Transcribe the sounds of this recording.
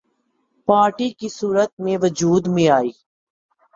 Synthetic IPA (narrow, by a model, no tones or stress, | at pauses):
paːɾʈikisuːɾət̪̚mẽʋəd͡ʒuːd̪mẽaːiː